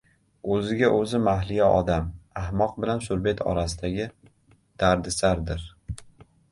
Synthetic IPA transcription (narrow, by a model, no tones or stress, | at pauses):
ɵzɪɡʲaʔɵzɪmaɦlɪjaʔɒd̪amahmɒq̚bɪlansʊɾbe̞t̪ʰɒ̰ɾasɪd̪aɡʲɪ | d̪̥aɾd̪ɪsaɾd̪ɪɾ